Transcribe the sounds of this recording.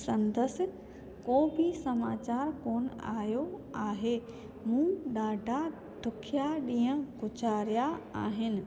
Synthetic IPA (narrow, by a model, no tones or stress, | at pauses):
sɐ̃nd̪əsɪ̆ | koːbʱɪsɐmaːt͡ɕaːɾkoːna̰ːjoaːɦeː | mũːɗaːɖʱa | ɖʱʊkʰjaɗĩːə̃ɡʱʊt͡ɕaːɾijaaːɦɪnɪ̆